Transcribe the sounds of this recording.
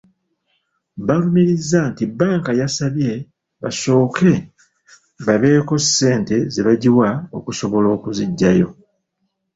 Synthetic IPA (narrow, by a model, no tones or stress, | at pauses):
βalumiɾizːantibaːŋkajasaβje̞ | βa̰so̞ːke̞ | βaβe̞ːko̞sːe̞ːnte̞zeβaɟiwao̞̰kuso̞βo̞lo̞ːkuziɟːajo̞